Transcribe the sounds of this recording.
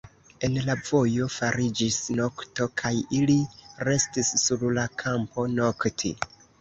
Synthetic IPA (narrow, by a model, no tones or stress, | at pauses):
e̞nlavo̞jo̞faɾid͡ʒisno̞kto̞kʰajiliɾe̞stisːuɾlakʰampo̞no̞ktʰḭ